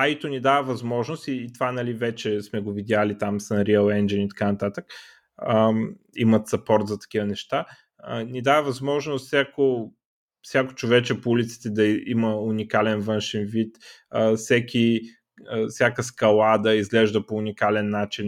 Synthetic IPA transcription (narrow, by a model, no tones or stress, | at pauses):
ait̪onid̪avəvɐzmɔʒnost̪iːt̪vanɐlivɛt͡ʃɛsmɛɡovid̪ʲalit̪amsnɾiəlˠɛnd͡ʒinit̪ɐ̥kanɐt̪at̪ək | ə | ḭmət̪sɐpɔɾt̪zɐt̪ɐ̥k̟ʲivənɛʃt̪a | ənid̪avəvɐzmɔʒnost̪sʲjako | fsʲjako̥t͡ʃovɛt͡ʃɛpoulit̪si̥t̪ɛd̪ɐiməunikalɛnvɤnʃɛnvit̪əfsɛkʰʲi | əfsʲjakəskɐlˠad̪ɐizɡlɛʒd̪əpoːnʲikalɛnːat͡ʃin